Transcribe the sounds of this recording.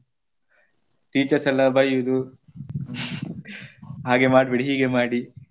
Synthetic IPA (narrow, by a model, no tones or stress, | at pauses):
ʈiːt͡ʃɐsɐlːabʱɐjud̪u | ɦaːɡemaːʈbiɽɦiːɡemaːɽi